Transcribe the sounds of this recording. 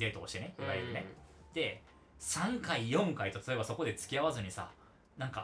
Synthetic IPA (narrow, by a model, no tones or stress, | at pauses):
e̞ːt̪oːɕi̥t̪e̞neiɡaiɾɯ̟ne̞d̪̥e̞ | sãŋkaijõ̞ŋkait̪ot̪ḁt̪o̞ebaso̞ko̞d̪et͡sɨ̥kʲiaβazɨɲ̟isa̰ | nãŋka